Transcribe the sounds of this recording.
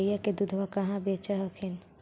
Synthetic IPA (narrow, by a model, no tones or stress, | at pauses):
jaked̪ud̪ʱʋakɐɦãbeːt͡ʃəɦəkʰin